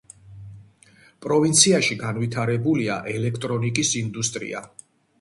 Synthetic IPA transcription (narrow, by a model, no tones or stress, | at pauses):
pʼɾɔvint̪sʰiaʃiɡanvit̪ʰaɾɛbulia̰ʔɛlɛkʰt̪ʼɾɔnikʼisind̪ust̪ʼɾḭa̰